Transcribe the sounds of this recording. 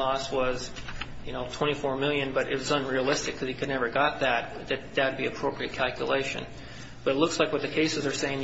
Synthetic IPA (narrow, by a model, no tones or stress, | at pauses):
ɔswʌz̥ | jɨñoʊtʰw̥ɛ̃ɾ̃ifɔɹmɪlˠjɨ̃nbʌɾʔɪt̚wʌzə̃nɹiəlˠɪstɨkʰʌz̥ikʰɨdⁿnɛvə˞ɡɑt̪̚ðɨt̪̚ðɨt̪̚ðɨd̚biɨpʰɹ̥oʊpɹiɨt̚kʰælˠkʰjə̰leɪʃɨ̰̃n | b̥ʌɾɨtˡlʊkslaɪkwʌt̪̚ðɨkʰeɪsɨzə˞seɪɪ̃ŋ